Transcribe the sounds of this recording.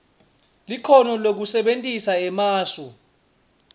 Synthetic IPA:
liǃʰɔnɔlok̬usɛɓentʼisaɛmaːsɔ

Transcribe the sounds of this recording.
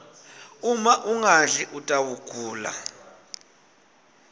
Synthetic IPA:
umaʔuŋaɮiʔutʼawuɡ̥ʼʱuːla̰

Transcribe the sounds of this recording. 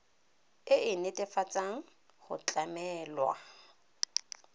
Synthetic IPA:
ɪɪnɪtʼɪfat͡sʼaŋ̩ | χʊ̰t͡ɬʼamɛːlwa̰

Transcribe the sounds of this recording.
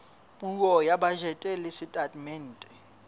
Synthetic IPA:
muk̬ɔjaɓaʒɛtʼɛlisitʼatʼmɛn̩ːtʼɛ̥

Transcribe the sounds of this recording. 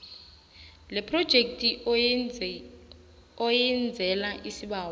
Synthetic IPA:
lɛpʰrɔd̥ʒ̥ʱek̚tʼi | ɔjɛnd͡zʱɛlaʔisiɓaːwɔ

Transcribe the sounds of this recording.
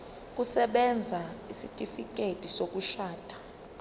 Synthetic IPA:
k̬ʼusɛɓɛnd͡zʱaisitʼifik̬ʼetʼisok̬ʼuʃaːtʼḁ

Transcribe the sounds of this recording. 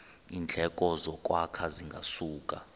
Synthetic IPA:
ind͡ɮʱɛkʼɔzɔk̬ʼwakʰaziŋɡʱa̰suːkʼa̰

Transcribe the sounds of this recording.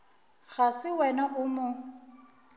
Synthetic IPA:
ɣasɪwɛnaʔʊmʊ

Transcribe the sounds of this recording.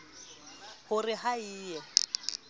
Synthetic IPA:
hʊrɪhaiːjɛ

